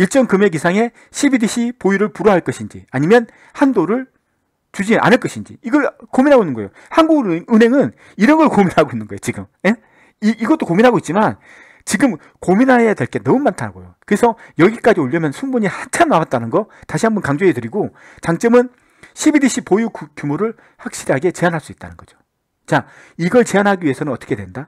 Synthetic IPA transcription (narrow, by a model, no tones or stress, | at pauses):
iɭt͡ɕ͈ʌŋkɯme̞ɡisʰaŋe̞ | ɕʰibidiɕʰipojuɾɯɭpuɾʌɦaɭk͈ʌɕʰind͡ʑḭaɲimjʌn | handoɾɯɭ | t͡ɕud͡ʑiʔa̰nɯɭk͈ʌɕʰind͡ʑḭiɡʌɭkominɦaɡoinːɯnɡʌjo | hanɡuɡɾɯnɦe̞ŋɯn | iɾʌnɡʌɭkominɦaɡoinːɯnɡʌejot͡ɕiɡɯmje | iiɡʌt͈okominɦaɡoit̚t͡ɕ͈iman | t͡ɕiɡɯm | kominɦaɦejadwe̞ɭk͈e̞nʌmumːantʰanaɡojokɯɾesʰʌjʌɡik͈ad͡ʑioʎːʌmjʌnsʰuŋboɲihant͡ɕʰamnawat̚t͈anɯnɡʌtaɕ̬ʰiɦambʌnkaŋd͡ʑoɦetɯɾiɡo | t͡ɕaŋt͡ɕ͈ʌmɯn | ɕʰibidiɕʰipojukkjumoɾɯɭ | ɸak̚ɕ͈iɾiɦaɡe̞t͡ɕe̞anɦaɭs͈uit̚t͈a̰nɯnɡ̥ʌd͡ʑo̥ | t͡ɕa | iɡʌɭt͡ɕe̞anɦaɡiɥie̞sʰʌnɯnʌt͈ʌkʰe̞dwenda